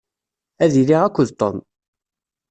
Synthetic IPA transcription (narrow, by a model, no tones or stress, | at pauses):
æðiliʁækʷːʊðt̪ˤːɔ̰n